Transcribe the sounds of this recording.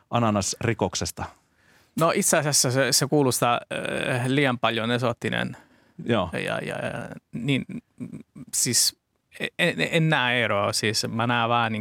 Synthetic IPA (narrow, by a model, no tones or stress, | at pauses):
ʔɑnɑnɑsrikoksest̪ɑ | noʔit̪seɑsesːæsesekuːlusi̥t̪æ | liːjɑmpɑljonesot̪ːinḛn | joːjɑ̰jɑ̰nin | siːs | eeenːæːeɾosiːsmænæːʋɑːniŋ